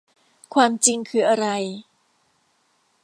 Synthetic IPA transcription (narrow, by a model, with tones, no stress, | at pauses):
kʰwaː˧mt͡ɕi˧ŋkʰɯː˧ʔa˧ɾa˧j